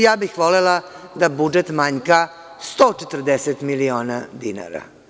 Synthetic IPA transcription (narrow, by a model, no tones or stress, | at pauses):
jaːbixʋolela | d̪abud͡ʒet̪maɲka | st̪oːt͡ʃet̪r̩d̪eset̪milio̞ːnad̪ina̰ːɾa̰